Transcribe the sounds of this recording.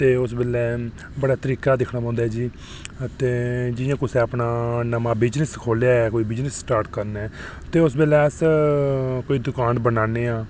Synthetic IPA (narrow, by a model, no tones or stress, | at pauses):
t̪eːʊs̬beːlɛː | bəɽaːt̪əɾiːkaːd̪ɪkʰnaːpɔ̃ːnd̪aɛːd͡ʒiː | t̪eːd͡ʒɪjãːkʊsɛːəpnaːnəmãːbɪd͡ʒnəskʰoːljaːɛːkoːiːbɪd͡ʒnəsːʈaːɾʈkəɾnɛː | t̪eːʊs̬bɪːlɛːəs | koːiːd̪ʊkaːnbənaːneːãː